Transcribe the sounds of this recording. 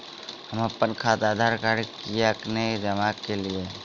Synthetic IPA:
həməpːənkʰaːt̪aːd̪ʱaːɾkaɾikijaəkned͡ʒəmaːkːelie

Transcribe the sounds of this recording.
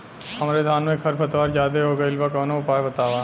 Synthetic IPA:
hɐmɾed̪ʱaːnmẽkʰɐɾbɐt̪ʋaːɾd͡ʒaːd̪eɦoːɡeɪlbakɔːnoʊpaːjbɐt̪aːʋaː

